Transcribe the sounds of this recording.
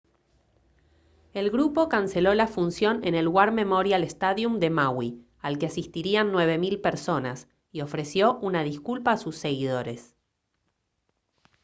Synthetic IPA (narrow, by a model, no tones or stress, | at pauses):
e̞lɣɾupo̞kanse̞lo̞lafunsjo̞nene̞lɣwaɾme̞moɾjalest̪aðjumd̪e̞mawi | alkeasist̪iɾianːwe̞β̞e̞milpeɾso̞nas | io̞fɾe̞sjo̞ʔunaðiskulpaːsusːe̞ɣiðo̞ɾe̞s